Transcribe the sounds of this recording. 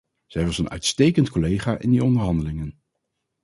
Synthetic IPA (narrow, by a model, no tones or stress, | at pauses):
z̥ɛjʋɑsənœ̰ɥtstejkəntkolejχaːʔɪndiɔndəɹɦɑndəlɪŋən